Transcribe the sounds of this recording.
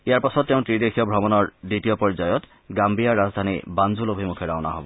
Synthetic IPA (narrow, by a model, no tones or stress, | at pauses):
ijaɹpasɔtːeʊ̃tɹidekʰijɔbʱɹɔmɔnɔɹditijɔpɔɹzajɔt | ɡambijaɹːazdʱanḭbanzulobʱimukʰɛɹaʊna̰ɦɔbɔ